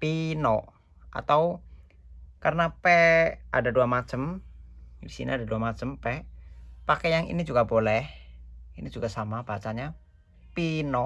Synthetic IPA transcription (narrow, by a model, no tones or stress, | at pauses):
pinɔʔ | ʔa̰t̪au | karnapɛʔadaduamat͡ʃəm | wisḭnḭadaduamat͡ʃəmpɛpakɛjaŋḭnid͡ʒuɡabolɛhinid͡ʒuɡ̥asamab̥at͡ʃaɲa | pinɔ